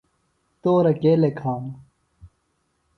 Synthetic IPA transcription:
t̪oːɾɐkeːlekʰaːn

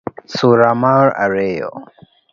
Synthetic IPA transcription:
suɾamaɾa̰ɾejo̰

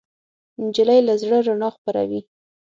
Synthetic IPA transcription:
nd͡ʒɪlajlazɽəɾaɳɑxpəɾa̰wi

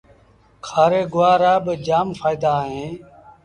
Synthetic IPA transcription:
kʰaːɾeːɡʊʋaːɾaːbd͡ʒaːmfaːɪd̪aːɦẽː

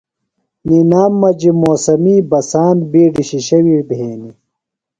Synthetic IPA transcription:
ninaːmːɐd͡ʑimoːsɐmiːbɐsaːnbiːɖiɕiɕɐwibʱɦeːni

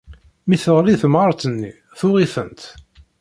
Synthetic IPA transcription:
miθəʁɾiθəmʁɑɾˤt̪ənːi | θʊʁifə̰nt̪

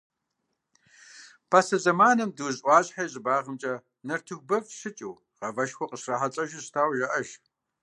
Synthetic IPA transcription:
pʰasɐzɐmaːnɐmdɨzʔʷɑːɕʼħajʑʼɪbaːʁəmt͡ʃʼɐ | nɐrtʰɨxʷbɐvʃɪt͡ʃʼiw | ʁɐvɐʃxʷɔqəɕraħat͡sʼɐʒɪɕtʰaːwʒɐʔɐʒ

